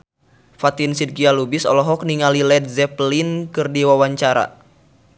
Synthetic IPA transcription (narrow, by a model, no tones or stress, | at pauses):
fat̪insid̪̚kialubisɔ̰lɔɦɔk̚niŋalilɛd̪̚zɛplinkɨrdiwawaɲt͡ʃaɾa̰